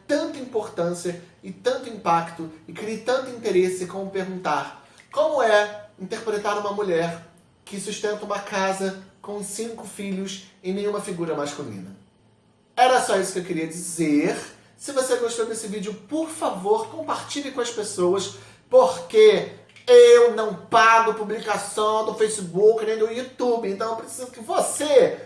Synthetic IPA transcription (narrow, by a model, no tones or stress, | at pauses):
t̪ɐ̃nt̪ɐĩpoɾt̪ɐ̃siɐ | ɪt̪ɐ̃nt̪ʊĩpakt̪ʊɪkɾit̪ɐ̃nt̪ʊĩnt̪eɾesɪkõmʊpeɾɡũnt̪aɾ | kõmʊɛĩnt̪eɾpɾet̪aɾũmɐmuʎɛɾ | kɪsuʃt̪ẽnt̪ɐũmɐkazɐkõw̃sĩkʊfiʎʊsẽj̃nẽj̃ũmɐfiɡuɾɐmaʃkulḭ̃nɐ | ɛɾɐsɔisʊ̥kɪewkeɾiɐd͡ʒizeɾ | sɪvoseɡoʃt̪owd̪esɪvid͡ʒɪʊpoɾfavoɾkõpaɾt͡ʃilɪkõɐspesowɐs | poɾke | ewnɐ̃w̃paɡʊpublikasɐ̃w̃d̪ʊfejsɪbukɪnẽj̃d̪ʊjut̪ubɪẽnt̪ɐ̃w̃ewpɾesizʊkɪvose